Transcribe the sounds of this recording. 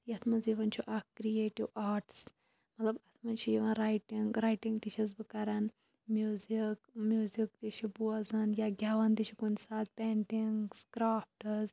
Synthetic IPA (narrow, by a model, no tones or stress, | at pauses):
jɐt̪ʰmɐnziʋɐnt͡ʃʰiʔakːɾieːʈiwaːɾʈs | mɐt̪lɐbɐt̪ʰmɐnt͡ʃʰijiʋɐnɾaːjʈiŋɡɾaːjʈiŋɡt̪it͡ʃʰɐzbɨkɐɾɐn | mjuːzikmjuːzik̚t̪it͡ʃʰibuɐzɐnjaɡʲaʋɐnd̪it͡ʃʰikunsaːt̪̚pʲeɳʈiŋɡskɾaːfʈɐz